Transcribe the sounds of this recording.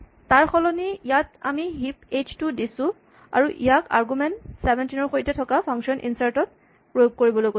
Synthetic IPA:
taɹxʰɔlɔniijata̰miɦiped͡ʒtʊdisʊ̃ | a̰ɹuʔijaka̰ɹɡumɛntsɛbʱɛntinɔɹxojtɛtʰɔkapʰɔŋʃɔnʔḭnsaɹtɔt̚ | pɹojoɡ̚koɹibɔlojko

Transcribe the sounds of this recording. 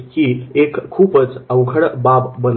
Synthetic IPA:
kiekkʰːupət͡səwɡʱəɽbabbən

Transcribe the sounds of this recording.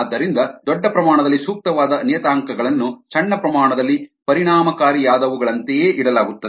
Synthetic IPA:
ad̪ːɐɾind̪ɐd̪ɔɖːɐpɾɐmaːɳɐd̪ɐlːisuːk̚t̪ɐʋaːd̪ɐnijɐt̪aːŋkɐɡɐɭɐnːut͡ʃɐɳːɐpɾɐmaːɳɐd̪ɐlːipɐɾiɳaːmɐkaːɾijaːd̪ɐʋuɡɐɭɐnt̪ejeːʔiɽɐlaːɡut̪ːɐd̪e

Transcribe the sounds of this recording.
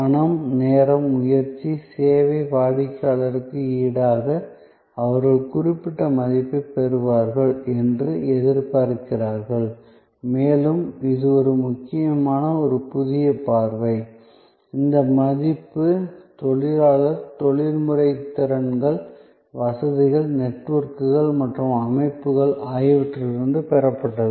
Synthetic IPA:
mɐnɐmneːɾɐmːʊjɐɾt͡ʃːiseːʋɐɪpaːɽɪkːaːɭɐɾɯkːɯiːɽaːɣɐ | ɐʋɐɾɣɐɭkʊrɪpːɪʈːɐmɐðɪpːɐpɛɾɯʋaːɾɣɐɭɛndrɯɛðɪɾpaɾkːɪraːɾɣɐɭ | meːlɯmɪðɯɔɾɯmʊkːɪjɐmaːnɐɔɾɯpʊðɪjɐpaːɾʋɐɪ | ɪnd̪ɐmɐðɪpːɯt̪ɔɭɪɾaːlɐɾt̪ɔɭɪɾmɯrɐɪt̪ːɪɾɐnɡɐɭ | ʋɐsɐðɪɣɐɭnɛʈʋɐɾkɯɣɐɭmɐʈrɯmɐmɐɪpːɯɣɐɭʔaːjɪʋɪʈrɪɾɯnd̪ɯpɛɾɐpːɐʈːɐðɯ

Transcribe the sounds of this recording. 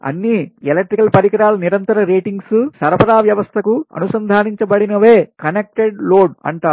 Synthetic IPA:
ɐ̰nːielek̚ʈɾikɐlpɐɾikɐɾaːlɐniɾɐnt̪ɐɾɐɾeːʈiŋɡssɐɾɐpɐɾaːʋjɐʋɐst̪ʰɐkuɐ̰nusɐnd̪ʱaːniɲt͡ʃɐbɐɽinɐʋeːkɐnek̚ʈeɖloːɖɐ̰ɳʈaː

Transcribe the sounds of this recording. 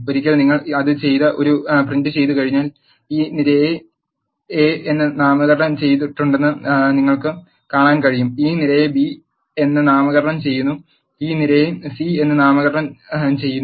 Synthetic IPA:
oɾikʲːɐlniŋːɐɭɐðɨt͡ɕe̞jt̪ɐʔo̞ɾuprindɨt͡ɕe̞jt̪ːukɐɻiɲːaːl | iːniɾɐe | eenːɨnaːmɐɣɐɾɳɐmt͡ɕe̞jt̪̬iʈːuɳɖe̞nːɨniŋːɐɭkɨ | kaːɳaːnkɐɻijumiːnilɐjebi | e̞nːɨnaːmɐɣɐɾɐɳɐmt͡ɕe̞jːunːu | iːniɾɐjesie̞nːɨnaːmɐɣɐɾɐɳɐmt͡ɕe̞jːunː

